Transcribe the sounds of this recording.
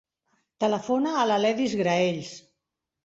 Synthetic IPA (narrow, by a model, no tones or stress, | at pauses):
t̪ələfonaːlalɛðizɣɾaeʎs